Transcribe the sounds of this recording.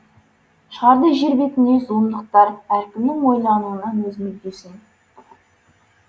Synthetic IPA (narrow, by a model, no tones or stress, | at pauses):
ʃəʁɑɾd̪əʒeɾbe̞t̪ɪnezond̪əq̚t̪ɑɾæɾkʲɪmnɪŋwo̞jlˠɑnuənɑnwɵzmɪld̪esɪŋ